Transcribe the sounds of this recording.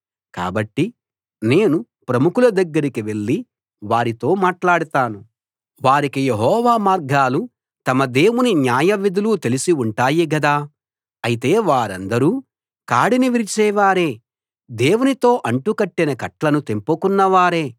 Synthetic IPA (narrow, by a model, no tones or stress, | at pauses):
ka̰ːbɐʈːi | ne̞ːnu | pɾɐmukulɐd̪ɐɡːɐɾikiʋe̞ɭːi | ʋaːɾit̪o̞ːmaːʈlaːɽut̪aːnu | ʋaːɾikijeɦɔːʋaːmaːɾɡaːlu | t̪ɐmɐd̪e̞ːwuninjaːjɐʋid̪ulut̪e̞lisiuɳʈaːjiɡɐd̪aː | ɐjit̪e̞ːʋaːɾɐ̰nd̪ɐɾuː | kaːɽiniʋiɾit͡ʃɛːʋaːɾe̞ː | d̪e̞ːwunit̪o̞ːʔɐɳʈukɐʈːinɐkɐʈlɐnut̪e̞mpukunːɐʋaːɾe̞ː